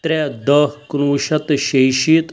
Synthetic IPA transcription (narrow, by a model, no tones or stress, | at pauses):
t̪ɾɛd̪ɐknuːʃɐt̪ʃejʃit̪